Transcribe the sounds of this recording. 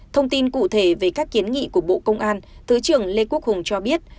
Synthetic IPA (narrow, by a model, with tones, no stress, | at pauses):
t̪ʰə˧wŋ͡mt̪i˧nkṵ˧˨t̪ʰe˧˩ve˨˩kaː˦˥k̚ki˨˦ənŋḭ˧˨ku˧˩əɓo̰˧˨kə˧wŋ͡mʔaː˧nt̪ʰɨ˨˦t͡ɕɨ˨˩əŋle˧ku˦˥ək̚hʊ˨˩ŋ͡mt͡ɕɔ˧ɓi˦˥ət̚